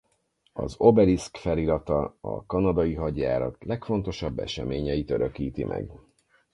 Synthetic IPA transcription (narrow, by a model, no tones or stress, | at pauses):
ɒ̰zo̞bɛɾiskfɛliɾɒt̪ɒɒ̰kɒnɒd̪ɒjiɦɒɟːaːɾɒt̪lɛkfo̞nt̪o̞ʃɒbːɛ̰ʃɛmeːɲɛjit̪øɾøkiːt̪imʔɛ̰ɡ